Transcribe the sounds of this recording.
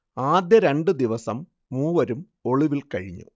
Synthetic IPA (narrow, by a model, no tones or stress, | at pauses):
aːd̪jɐɾe̞ɳɖɨd̪iʋɐsɐmː | uːʋɐɾum | o̞ɭiʋilkɐɻiɲːṵ